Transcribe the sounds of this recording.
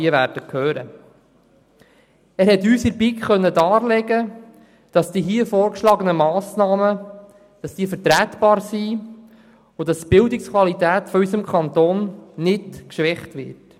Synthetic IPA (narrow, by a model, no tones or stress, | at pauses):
iəʋæːɾd̥əkʰøːɾə̰ | æːɾɦɛt̪yːsɪɾbikχœnːədɑːɾlɛɡə | d̥ɑsd̥iɦiːəfɔːɾkʃlɑːɡənəmɑːsnɑːmə | d̥ɑsd̥iːəfəɾtɾæːt̪b̥ɑːɾsi | ʊdɑst̪b̥ɪldɪkskʰwɑlit̪æːt̪fɔysəmkʰɑnt̪oːnnɪdkʃʋɛχtʋɪ̰ɾt